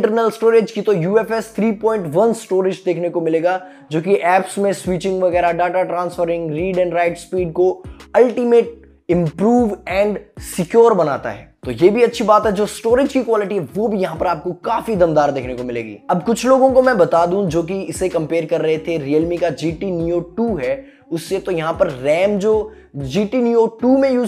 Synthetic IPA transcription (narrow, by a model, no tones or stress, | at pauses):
ʈəɾnəlsʈoːɾed͡ʒkit̪ojuːɛːfɛst̪ʰɾiːpɔ̃ːɪ̃ɳʈʋɐnsʈoːɾɪd͡ʒd̪eːkʰnekomɪleːɡaː | d͡ʒoːkiʔɛːpsmẽswiːt͡ʃɪ̃ŋɡʋɐɣɛːɾaɖaːʈaʈɾãːnsfəɾɪ̃ŋɡɾiːɖɛ̃ːɳɖɾaːɪʈspiːɖ̚koɐlʈiːmeːʈ̚ | ɪ̃mpɾuːʋɛ̃ːɳɖsɪkjoːɾbɐna̰ːt̪a̰ɦɛ̰ːt̪oːjeːbʱiɐtːʃʰibaːt̪ɦɛd͡ʒoːsʈoːɾɪd͡ʒkikwaːlɪʈiɦɛʋoːbʱijɐɦãpɐɾaːp̚kokaːfid̪ɐmd̪aːɾd̪eːkʰnekomɪlḛːɡḭːɐbkʊt͡ʃʰloːɡõkomɛ̃bɐt̪aːd̪ũd͡ʒoːk̬iɪsekɐ̃mpeːɾkɐɾːɐɦet̪ʰeɾiːəlmikad͡ʒiːʈiniːoːʈuːɦɛː | ʊsːet̪ojɐɦãpɐɾːɛːmd͡ʒoː | d͡ʒiːʈiːniːoːʈuːmẽjuː